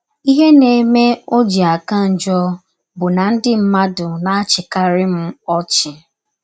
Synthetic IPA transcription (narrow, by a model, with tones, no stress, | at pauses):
i˦ɦe˦ne˨˦me˦o˦d͡ʒi˨a˨ka˦n̩˨d͡ʒɔ˦ | bʊ˨na˨n̩˦dɪ˦m̩˦ma˦dʊ˨na˨a˦t͡ʃɪ˨ka˦ɾɪ˦m̩˦ɔ˦t͡ʃɪ˨